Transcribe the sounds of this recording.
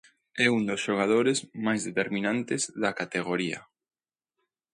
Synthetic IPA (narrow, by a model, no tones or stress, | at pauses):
ɛund̪osʃoɣ̞að̞oɾezmajzðet̪eɾmĩnãnt̪ezðɐkat̪eɣoɾiɐ̰